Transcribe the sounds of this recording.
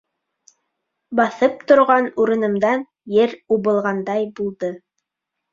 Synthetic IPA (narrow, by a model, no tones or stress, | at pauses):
bɑθɤp̚t̪ŏɾʁɑnuɾɤ̆nɤ̆md̪ɑn | jɘɾuβɤ̆lˠʁɑnd̪ɑjbulˠd̪ɤ